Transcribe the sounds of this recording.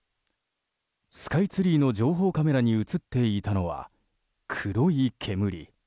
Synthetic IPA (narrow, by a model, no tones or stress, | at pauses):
sɨ̥kait͡sɨɾʲiːno̞d͡ʑo̞ːɦo̞ːkame̞ɾaɲ̟iɯt͡sɨt̪ːe̞it̪ano̞βa̰ | kʰɯɾo̞ikʰe̞mɯ̟ɾʲḭ